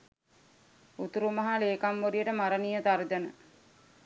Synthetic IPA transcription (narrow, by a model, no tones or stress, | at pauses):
ut̪uɾumɐɦaleːkamʋoɾijəʈəmaɾənijət̪aɾd̪ənə